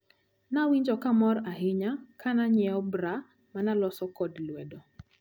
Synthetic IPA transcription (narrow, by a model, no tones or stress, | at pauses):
nawiɲd͡ʒɔkamɔɾaɦɪɲakanaɲɛɔbɾa | manalɔsɔkɔdlwɛdɔ